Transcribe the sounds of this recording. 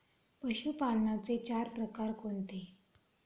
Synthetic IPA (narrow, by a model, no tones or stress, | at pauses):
pəɕupalnat͡set͡ɕaɾpɾəkaɾkoɳt̪e